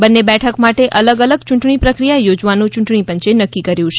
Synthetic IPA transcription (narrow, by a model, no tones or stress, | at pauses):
bənːebɛʈʰəkmaʈeʔələɡələɡ̚t͡ʃũɳʈɳipɾəkɾijajod͡ʒʋanũt͡ʃũɳʈɳ̃ipəɲt͡ʃenəkːikəɾjũt͡ʃʰe